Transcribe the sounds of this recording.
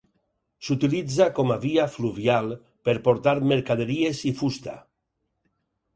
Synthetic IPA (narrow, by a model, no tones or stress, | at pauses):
sut̪ilid͡zakɔmaβiafluβialˠ | peɾpoɾt̪aɾmeɾkaðeɾiezifust̪a̰